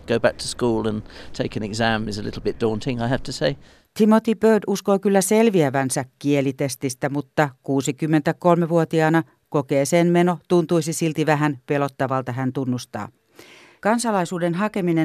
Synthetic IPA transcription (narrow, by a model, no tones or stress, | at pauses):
ɡ̥oʊbæk̚tʰə̥skuːlˠə̃ntʰeɪkɨ̃nɛ̰ɡzæ̃mɪzəlɪ̰ɾˡl̩ˠbɪt̚d̥ɔ̃ˑntʰɪ̃ŋaɪhæftʰəseɪ | t̪ʰimot̪ipøːduskoːkylːæselʋiæʋænsækkielit̪est̪ist̪æmut̪ːɑkuːsikymːent̪ækolmeʋuot̪iɑːnɑ | kokeːsenmenot̪unt̪uisisilt̪iʋæɦænpelot̪ːɑʋɑlt̪ɑɦænt̪unːust̪ɑ̰ː | kɑnsɑlɑisuːdenɦɑkemine